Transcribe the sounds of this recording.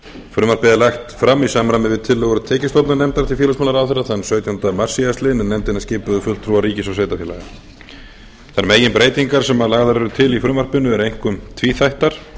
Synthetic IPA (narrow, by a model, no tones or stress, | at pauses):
fɾʏːmar̥pɪðɪlajxt̪fɾamːisaːmɾamɪvɪt̪ʰɪlːɛɣʏɾʏt̪ʰɛːcɪst̪owt̪nanɛmt̪aɾt̪ʰɪlfɛːlasmaːlaɾawθɛrːaθanːsœːɥt̪jant̪amar̥siast̪lɪnɛnːɛmt̪ɪnːascɪːpʏðʏfʏlt̪ʰːɾuːariːcɪsawveːjt̪afjɛːla̰ɣa | θaɾmeːjɪnpɾeːjt̪iŋkaɾ̥sɛmaðlaːɣðaɾɛɾʏt̪ʰɪlifɾʏːmar̥pɪnʏɛɾejŋ̥kʏmt̪ʰviːθajht̪aɾ̥